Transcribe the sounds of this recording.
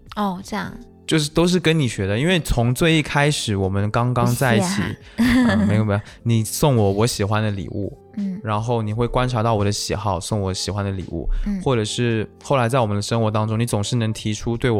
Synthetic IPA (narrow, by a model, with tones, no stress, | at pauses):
ɔ˥˩ʈ͡ʂjɑ˥˩ŋ | t͡ɕjo˥˧ʊʂɻ̩˥˩t̪o˥ʊʂ̬ɻ̩˥˩kə˥nni˨˩ɕɥɛ˧˥d̪ə˧i˥nwe˥˩ɪt͡sʰʊ˧˥ŋt͡swe˥˧ɪi˥˩kʰa˥ɪʂɻ̩˨˧˩wɔ˨˩mə˦nkɑ˥ŋkɑ˥ŋt͡sa˥˧ɪi˩t͡ɕʰḭ˨˩˦ | ə˥˧me˧˥ɪjm˥˩˨ni˨˩sʊ˥˩ŋwɔ˨˩˦wɔ˧˥ɕi˨˩xwa˦nd̪ə˨lḭ˨˩ʔṵ˥˩˥ | ɻa˧˥nxo˥˩ʊni˨˩xwe˥˩ɪkwa˥nʈ͡ʂʰa˧˥t̪ɑ˥˩ʊwɔ˨˩d̪ə˦ɕḭ˨˩xɑ˥˧ʊsʊ˥˩ŋwɔ˧˥ɕi˨˩xwa˦˥nd̪ə˨lḭ˨˩ṵ˥˩xwɔ˥˩ʈ͡ʂɤ˨˩ʂɻ̩˥˧xo˥˩ʊla˧˥ɪt͡sa˥˩wɔ˨˩mə˦nd̪ə˧ʂɤ˥ŋxwɔ˧˥t̪ɑ˥ŋʈ͡ʂʊ˥ŋni˧˥t͡sʊ˨˩ŋʂɻ̩˥˩nɤ˧˥ŋt̪ʰi˧˥ʈ͡ʂʰu˥t̪we˥˩ɪw